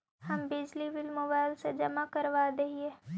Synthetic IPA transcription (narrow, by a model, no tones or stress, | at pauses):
hɐmbɪd͡ʒliʋɪlmoːbaːɪlsed͡ʒɐmakɐɾʋad̪eɦieː